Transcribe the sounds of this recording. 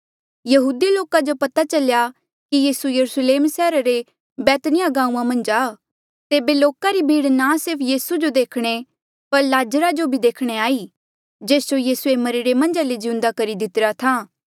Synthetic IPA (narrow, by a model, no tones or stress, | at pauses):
jɐɦuːd̪iloːkad͡ʒopɐt̪at͡ʃɐlja | kijiːsujɐɾusleːmsɛːɾaɾe | bɛːt̪nɪjaɡãːũːãmɐ̃nd͡ʒaː | t̪eːbeloːkaɾibʱiːɽnasɪɾpʰjiːsud͡ʒod̪eːkʰɽ̃e | pɐɾlaːd͡ʒəɾad͡ʒobʱid̪eːkʰɽ̃eaːi | d͡ʒeːsd͡ʒojiːsuemɐɾeɾemɐ̃nd͡ʒaled͡ʒɪʊ̃nd̪akɐɾid̪ɪt̪ɾat̪ʰaː